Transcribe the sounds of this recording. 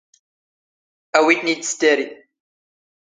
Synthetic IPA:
æwid̪nid̪st̪æɾiθ

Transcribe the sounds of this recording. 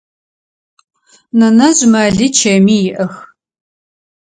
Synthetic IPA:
nɐnɐʑmɐɮit͡ʃʰɐmiːjɪʔɐx

